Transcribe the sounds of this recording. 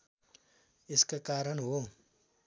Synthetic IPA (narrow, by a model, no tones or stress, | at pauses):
ɪskakaːɾənɦo